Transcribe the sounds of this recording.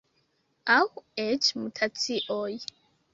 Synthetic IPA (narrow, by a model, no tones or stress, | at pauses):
awet͡ʃmutʰat͡siʔoj